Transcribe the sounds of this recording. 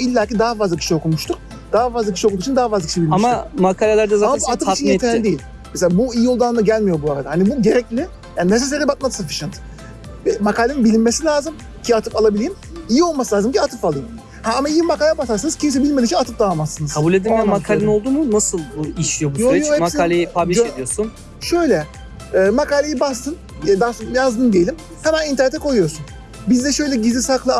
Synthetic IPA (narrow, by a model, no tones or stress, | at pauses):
ilʲːaːcid̪aɦafazlˠacʰi̥ʃijo̞kʰumuʃt̪ʰuɾ | d̪̥aːafazlˠacʰiʃijokud̪ukːit͡ʃʰind̪aːafazlˠacʰiʃejbilʲmaʃmamakʰalʲalʲæɾd̪azaaat̪ɯfit͡ʃʰinet̪ʰeːid̪ejilʲ | meselʲabuijijo̞lˠd̪annd̪aɟælʲmijo̞buaɾad̪ahanibuɟe̞ɾɛclʲɪ | jaːnines̬ils̬eɾʲibat̪̚mad̪ɯ̥safi̥ʃɯnt̪ | vɛmakaːlʲeninbilʲinmesilʲaːzɯm | cʰiat̪ʰɯfalˠabilʲejim | ijio̞lˠmasɯlʲaːzɯmcʰiat̪ʰɯfalˠɯjɯm | haamaijimakaːlʲabasaɾsanɯz̥cʰims̬ɛbilʲmeit͡ʃʰinat̪ʰɯp̚d̪avamasːɯnɯzʰabulʲed̪imɛmakʰaːlʲeno̞lˠd̪umunasɯlˠiʃlʲijo̞bujsoyɾɛjohɛmasik̪aːlʲejipʰaiʃed̪ijosun | ʃø̞jlʲɛː | makaːlʲejibast̪ʰɯn | d̪aːsonjazd̪ɯnd̪ejelʲim | h̪amaint̪ɛɾnɛt̪ʰːɛkʰo̞jujoɾsun | bizd̪ɛʃø̞jlʲɛɟizlʲisaklˠa